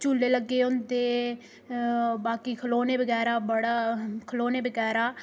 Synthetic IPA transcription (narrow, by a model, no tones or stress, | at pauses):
t͡ʃulːeːləɡːeːʊnt̪eː | baːkiːkʰəloːneːbəɡɛːɾaːbəɽaːkʰəloːneːbəɡɛːɾaː